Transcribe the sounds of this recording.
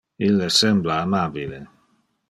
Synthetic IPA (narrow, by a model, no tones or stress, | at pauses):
ilːesɛmblaːmabile